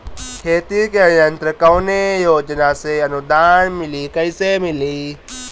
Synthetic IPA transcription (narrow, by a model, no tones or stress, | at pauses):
kʰeːt̪ikeɾjənt̪ɾəkəwnejoːd͡ʒnaseɐnud̪aːnmɪlikɐisemɪli